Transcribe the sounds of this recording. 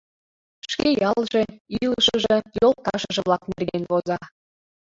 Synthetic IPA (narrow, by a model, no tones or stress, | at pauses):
ʃʃkʲejɑlˠʒĕilˠʃəʒĕjol̚t̪ɑʃə̆ʒə̆βlˠɑknerɡenβozɑ